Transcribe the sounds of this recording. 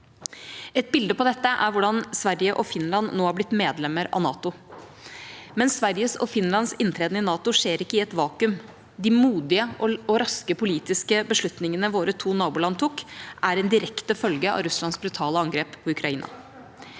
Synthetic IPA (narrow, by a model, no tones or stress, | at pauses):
ɛt̪̚bɪld̪əpɔd̪ɛt̪ːəʔæ̰ɾʋʊɖɑnsʋæɾjəʔɔfɪnlɑnnoːhɑɾblɪt̪ːmeːd̪lɛmːəɾɑ̰nɑ̰ːt̪ʊ | mɛnsʋæɾjəsɔ̰fɪnlɑnsɪnt̪ʰɾeːd̪nəɪnɑːt̪ʊʂeːɾɪkːəɪɛt̪ʋɑːkʉm | d̪ɪmuːd̪ɪəʔɔɔɾɑskəpʰʊliːt̪ɪskəbəʂɭʉt̪nɪŋənəʋoːɾət̪ʰuːnɑːbʊlɑnt̪ʰukʔæɾɛnd̪ɪɾɛkt̪əfœlɡəɑ̰ɾʉslɑnsbɾʉt̪ʰɑːləɑŋɡɾeːppʰɔʉkɾɑiːnɑ̰